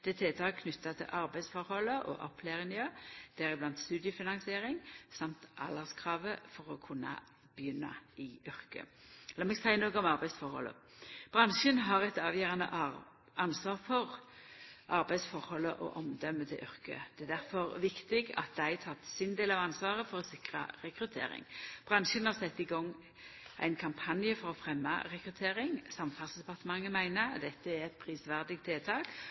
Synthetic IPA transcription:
d̪̥ɛt̪ʰeːt̪ʰɑːkʰnʉt̪ːɑt̪ʰɪ̰lʔɑɾbæɪsfɔɾhɔlːəʔɔ̰ʔɔpʰleːʁɪnɪøːd̪̥æʁɪblɑnt̪st̪ʉːd̪ɪjəfɪnɑŋsɪeːʁɪŋsɑmt̪ʔɑ̰lɑskʰʁɑːʋəfɔʁɔkʰʊnːɑ̰ | b̥əjʏnːɑ̰ɪʏɾkə̰ | ɛlːəmɛɡsæɪənoːɡəɔmɑʁbæɪsfɔɾhɔ̰lːə̰ | b̥ʁɑnʃənɦɑʁɛt̪ɑːʋjøːʁɑnə̰ʔ | ʔɑnsʋɑːʁfɔʁ | ʔɑɾbæɪsfɔɾhɔlːəʔɔ̰ʔɔmd̪œmːət̪ʰɪlʔʏʁkə̰d̪̥ɛæd̪æɾfɔʁʋɪkt̪ɪɡɑ̰t̪̚d̪æɪt̪ʰɑt̪ːsɪnd̪eːlɑʋɑnsʋɑːʁəfɔʁɔsɪkʁə̰ɾɛkɾʉt̪ʰḛːɾɪ̰ŋb̥ʁɑnʃənhɑʁsɛt̪ːɪɡɔŋː | ʔæ̰ɪnkʰɑmpʰɑnjəfɔʁɔfɾɛmːɑ̰ʁɛkʁʉt̪ʰeːɾɪŋsɑmfɑlsd̪ɛpɑʁt̪əmɑŋːəmæɪnəd̪ɛt̪ːəæʁɛt̪̚pʰʁiːsʋæʁd̪ɪɡ̚t̪eːlt̪ʰɑːk

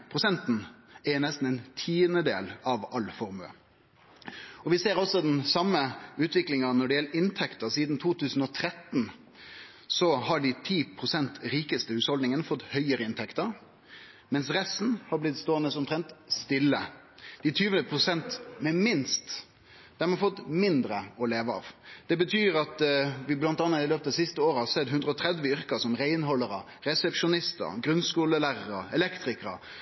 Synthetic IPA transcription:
pʰɾʊsɛnt̪n̩ɛnɛst̪n̩ɛɪnt̪ʰiːənəd̪ḛːlɑʋɑlfɔɾmʉə̰ | ɔʋɪseːɾɔsɔd̪ɛnsɑmːəʉːt̪ʰʋɪklɪŋɑnɔɖɛjɛlːəɾɪnt̪ʰɛkt̪əɾsiːd̪n̩t̪ʰuːt̪ʰʉːsn̩ɔt̪ʰɾɛt̪n | sɔhɑɖɪt̪ʰiːpʰʁʊsɛnt̪ɾiːkəst̪əhʉːshɔld̪nɪŋənəfɔt̪ːhœʏəɾəɪnt̪ʰɛkt̪əɾ | mɛnsɾɛst̪n̩hɑblɪt̪st̪oːɛnəsʊmt̪ʰɾɛnt̪st̪ɪlːə | d̪̥ɪt̪ʰyːʋənəpʰɾʊsɛnt̪mɛmɪnst̪ | d̪̥æɾmɑnfɔt̪ːmɪnd̪ɾəɔleːʋəɑ̰ʋd̪̥ɛbət̪ʰyːɾɑt̪ʋɪblɑnt̪ɑnːɑt̪ɪløːpət̪ɑsɪst̪əoːɾɑsɛd̪ɦʉnd̪ɾəɔt̪ʰɾɛd̪ʋəʏɾkɑsɔmɾæɪnɦɔlːəɾə | ɾɛsɛpʂʊnɪst̪ə̰ɾɡɾʉnskuːləlæːɾəɾəɛlɛkt̪ɾɪkəɾə̰

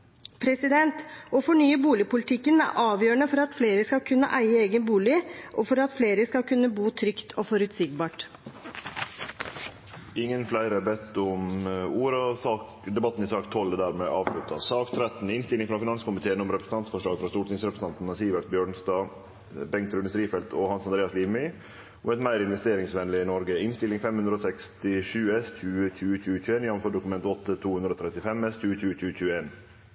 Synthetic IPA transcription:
pʰɾɛsɪd̪ɛnt̪ɔfɔɳyːəbuːlɪpʊlɪt̪ʰɪkːənæ̰ɾʔɑːʋjøːəɳəfɔɾɑt̪fleːɾəskɑlkʰʉnːə̰ʔæɪəeːɡənbuːlɪʔɔfɔɾɑt̪fleːɾəskɑkʰʉnːəbuːt̪ʰɾʏkt̪ʰɔfɔɾʉt̪sɪɡbɑːʈ | ɪŋːənflæɪɾəbɛt̪ʊmuːɾəsɑːk | d̪ɛbɑt̪ːn̩ɪsɑːkt̪ʰɔlːəd̪æːɾmɛʔɑːʋʂɭʉt̪ːɑsɑːkt̪ʰɾɛt̪nɪnst̪ɪlɪŋfɾɑfɪnɑnskʊmɪt̪ʰeːənɔmɾɛpɾəsn̩t̪ʰɑnt̪fɔʂɭɑːɡfɾɑst̪uːʈɪŋsɾɛpɾəs̩n̩ɑnt̪n̩ɑsiːʋɛlt̪̚bjøːɳst̪ɑː | bɛŋt̪ɾʉnəst̪ɾiːfɛlt̪ʰɔhɑnsɑnd̪eːɑsliːʋmɪ | ɔmɛt̪mæɪɾɪnʋɛst̪eːɾɪŋsʋɛnlɪɪnɔɾɡəɪnst̪ɪlɪŋfɛmhʉnd̪ɾəoːsɛkst̪ɪʂʉːɛsc͡çʉːəçʉːəçʉːəçʉːeːnɪjɑʋfɔd̪ʊkʉmɛnt̪ɔt̪ːət̪ʰuːhʉnɾəoːt̪ʰɾɛt̪ɪfɛmɛsc͡çʉːəçʉːət͡ɕʉːət͡ɕʉːəeːn

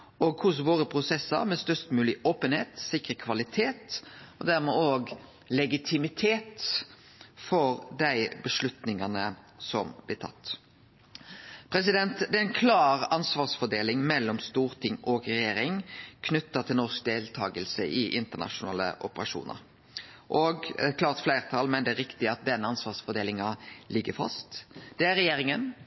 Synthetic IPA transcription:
oːɡ̚kʰʊs̬ʋoːɾəpʰʁʊsɛsːə̰ɾmɛst̪œst̪mʉːlɪʔoːpənheːt̪sɪkɾəkʰʋɑlɪt̪ʰeːt̪ɔd̪æʁmɛoːɡ | lɛɡɪt̪ʰɪmɪt̪ʰeːt̪ | fɔɾd̪æɪbəʂlʉt̪nɪŋɑnə | sɔmblɪːt̪ʰɑ̰t̪ː | pʰɾɛsɪd̪ɛnt̪d̪ɛæɪnkʰlɑːɾɑnsʋɑːʁsfɔd̪eːlɪŋmɛlːɔmst̪uːɾt̪ʰɪŋːɔɡɾɛjeːɾɪŋkʰnʉt̪ːɑt̪ʰɪlnɔsk̚d̪eːlt̪ʰɑːɡəlsəʔɪʔɪnt̪ənɑ̰ʃʊnɑ̰ːlə̰ʔɔpəɾɑ̰ʂṵːnʔə̰ɾ | ʔoːɡkʰlɑːɾt̪flæɪʁt̪ʰɑlmɛnd̪ɛæɾɪkt̪ɪɑt̪̚d̪ɛnːəɑnsʋɑːsfɔd̪eːlɪŋɑlɪɡːəfɑ̰st̪d̪ɛæɾɛjeːɾɪŋən

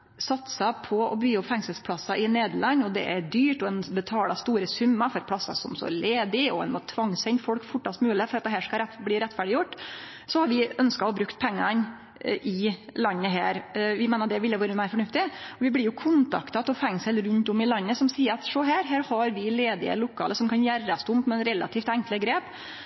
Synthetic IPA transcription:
sɑt̪sɑpʰɔɔ̰byːɔpfɛŋsəlspʰlɑsɑʔɪneːd̪əɭɑɲːɔd̪ɛ̰ʔæɾɖ̪yːʈɔɛnbət̪ʰɑːlɑst̪uːɾəsʉmːɑfɔɾpʰlɑsɑ̰sɔ̰msɔ̰leːd̪ɪɔɛ̰nmɑt̪ʰʋɑŋːsɛnt̪fɔlkfʊʈːɑst̪mʉːləfɔɾɑt̪̚d̪ɛɦæːʂkɑɾɛt̪bliːɾɛt̪ːfæɖɪjʊʈː | sɔhɑɾʋɪœnskɑɔbɾʉkt̪̚pʰɛŋːɑn | ʔɪlɑnːəɦæːɾʋɪmeːnəd̪ɛʋɪlːəʋæːɾəmæɪɾfɔɳʉft̪ɪɔʋɪblɪɾjʊkʰʊnt̪ʰɑ̰kt̪ɑt̪ɔfɛŋsəlɾʉnt̪ʊmɪlɑnːəsɔmsiːəɾɑt̪ʂɔɦæːɾɦæːɾhɑɾʋɪleːd̪ɪə̰lʊkʰːɑ̰ːləsɔmkʰɑnjæɾːɑst̪ʊmpmɛnɾɛlɑ̰t̪ʰiːft̪æŋkləɡɾeːp

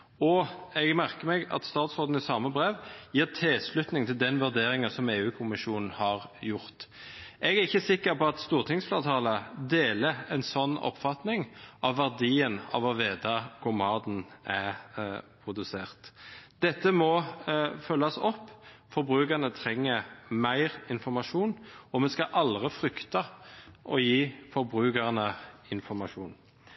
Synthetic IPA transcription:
ɔɛɡmæɾkəmɛɡɑ̰t̪st̪ɑːt̪sʁoːd̪n̩ɪsɑːməbɾeːʋjiːʁt̪ʰɪlslʉt̪nɪŋt̪ʰɪld̪ɛnʋʉʁd̪eːɾɪŋəsɔmeːʉːkʰʊmɪʃuːnn̩hɑʁjʊʁt̪ | ʔɛɡæɾɪçːəsɪkːəɾpɔɑt̪st̪uːʁt̪ʰɪŋsfleːʁt̪ʰɑːləd̪eːləɛnsɔnːɔ̰pːfɑt̪nɪŋʔɑʋʋæʁd̪iːənɑ̰ʋɑʋeːd̪ɑkʰʊmɑːd̪n̩ʔæ | pʰʁʊd̪ʉseːʁt̪d̪ɛt̪ːəmɔfœlːɑsɔpːfɔɾbʁʉːkəʁnət̪ʰʁɛŋːəmæɪʁɪnfɔʁmɑʂuːnɔmɛskɑʔɑld̪ʁɪfʁʏkt̪ɑʔɔjiːfɔɾbʁʉːkəʁnəɪnfɔɾmɑʂuːn

